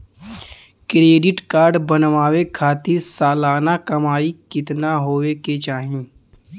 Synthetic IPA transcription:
kɾeːɖɪʈkaːɾɖbənʋaːwekʰaːt̪ɪɾsaːlaːnakɐmaːikɪt̪naɦoːweket͡ʃaːɦẽː

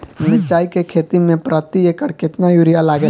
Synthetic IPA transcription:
mɪt͡ʃaːikekʰeːt̪imẽpɾaːt̪ijekəɽkɪt̪najuːɾijalaːɡe

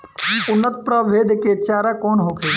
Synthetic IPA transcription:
ʊnːət̪̚pɾəʋeːd̪ʱket͡ʃaːɾakɔːnɦokʰe

